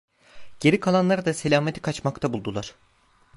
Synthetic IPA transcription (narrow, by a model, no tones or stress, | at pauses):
ɟ̥e̞ɾikʰalˠanlˠaɾd̪ase̞lʲaːmet̪ʰi̥kʰat͡ʃmakt̪ʰabulˠd̪ulˠaɾ̝̥